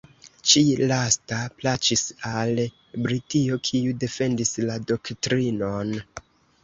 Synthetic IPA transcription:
t͡ʃilastaplat͡ʃisal | bɾitio̞kʰiude̞fe̞ndislado̞ktɾino̞n

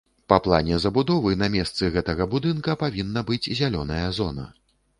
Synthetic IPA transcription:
pɐplˠa̰nʲɛzɐbud̪ɔvɨnɐmʲɛst̪sɨɣɛt̪ɐɣɐbud̪ɨnkɐpavʲinːɐbɨd͡zʲzʲalʲɔnɐjɐzɔnɐ̰

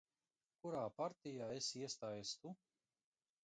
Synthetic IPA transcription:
kuɾaːpaɾt̪ʲijaːesiɛst̪aːjɛst̪u

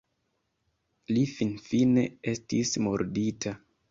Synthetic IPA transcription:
lifinfine̞̰e̞stismoɾditʰa

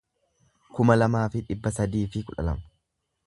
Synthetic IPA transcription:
kʊmɐlɐmaːfɪᶑɪbːɐsɐd̪iːfɪkʊᶑɐ̰lɐ̰mɐ

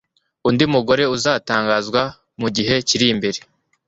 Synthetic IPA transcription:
undimuɡo̞ɾe̞uzaːtaːŋɡaːzɡwa | muɟiɦe̞ciɾimbe̞ɾe

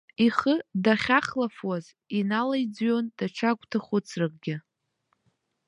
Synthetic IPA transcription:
iχədaχʲaχlafwaz | inalajd͡zɥond̥aʈ͡ʂʰakʷʼtʰaχʷʊt͡sʰrɨk̚ʼɡʲɪ

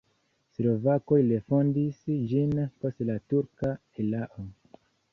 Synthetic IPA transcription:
slo̞vako̞jlefo̞ndisd͡ʒinpo̞stlatuɾka | elaʔo

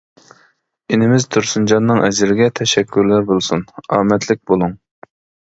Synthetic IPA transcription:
enɪmɪzt̪ʰuɾsund͡ʒɑnːɨŋʔɛzɪɾɪɡʲɛt̪ʰɛʃɛkʰʲːyɾlæɾbolˠsunɑːmɛt̪ʰlɪk̚ʲbolˠuŋ

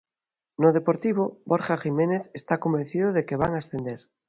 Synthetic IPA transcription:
noðepoɾt̪iβ̞oboɾxaximeneθest̪ako̞mben̟θiðoðekeβa̰ŋaesθend̪eɾ

